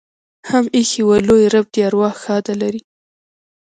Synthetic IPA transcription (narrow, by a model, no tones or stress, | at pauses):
hamixiwalojɾab̚d̪jɑɾwɑxxɑd̪alaɾi